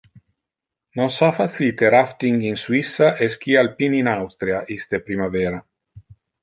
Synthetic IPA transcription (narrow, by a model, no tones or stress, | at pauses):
nonsafat̪sit̪eɾaft̪iŋɡinswisaʔeskialpininawst̪ɾiaʔist̪epɾimaveːɾa